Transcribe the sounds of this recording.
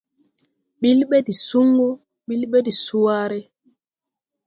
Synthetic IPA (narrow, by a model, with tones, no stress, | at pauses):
ɓi˦lɓɛ˦di˨su˦ŋɡu˦ | ɓi˦lɓɛ˦di˨su˦aː˦ɾɛ˦